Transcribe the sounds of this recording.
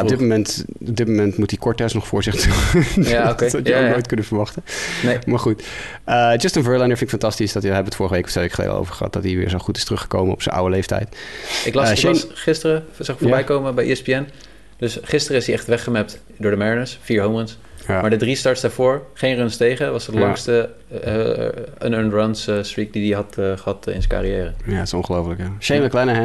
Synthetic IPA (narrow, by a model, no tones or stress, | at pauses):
ɔbdɪtmomɛntɔb̚dɪt̚momɛntmutikɔɹtɛstnɔχfʊːɹzɪχtujaokedɑtənojtkɵndəvəɹʋɑχtənejmaːɹχut | əd͡ʒstə̃nvɜːlajnəɹfɪnɪkfɑntɑstisdɑtəɦɛbəʋətfʊːɹəχəʋejkɔfteʋeɪkχəlḛjdə̰lo̰wvəɹχəɦɑ̰t̚dɑtiʋɪ̰ːɹzoχutɪ̥stərɵχə̥ko̰wmənɔpsə̰nʔa̰wəlejftɛ̰jtɪklɑʃnχɪstərəzɑɪkfoɹbɛjkowməbɛjʔiɛspiɛn | d̥ɵsχɪstəɾəɪsdiɛχtʋɛχəmɛp̚t | dʊːɹdəmɛɹinəsfiːɹɦowməns | jmaːɹdədristɑɹtsdaːɹvʊːɹχejnrœnstejχəʋɑsətlɑŋkstə̰ | ə̰nənrɔnsstɹik̚didiɦɑtχəɦɑtɪ̰nzə̃ŋka̰ːrijɛːrəjatsɔ̃nχəlowfələkjaʃejməklɛnəɛ